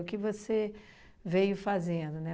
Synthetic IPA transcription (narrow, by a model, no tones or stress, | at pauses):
ʊkɪvose | vejʊfazẽd̪ʊnɛ